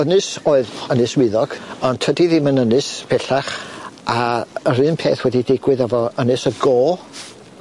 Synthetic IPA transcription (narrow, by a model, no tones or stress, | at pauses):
ənɨsoːɨðənɨswɪðɔɡ̥ɔntʰədiðimənənɨsb̥ɛɬaχaəɾɨnpʰeːθwɛdidɪɡwɨðavɔənɨsəɡoː